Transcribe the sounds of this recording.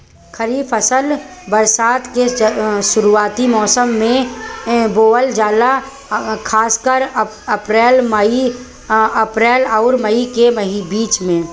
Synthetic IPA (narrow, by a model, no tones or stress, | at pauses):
xəɾiːfəsəlbəɾsaːt̪keʃʊɾuaːt̪imɔːsəmːẽ | boːəld͡ʒaːla | kʰaːskəɾ | ɐpɾɛːlməi | ɐpɾɛːlɔːɾməikeməibiːt͡ʃmẽ